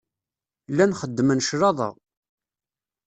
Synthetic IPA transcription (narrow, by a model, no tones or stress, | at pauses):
lːænχəd̪ːəmənʃɾɑðˤɑ̰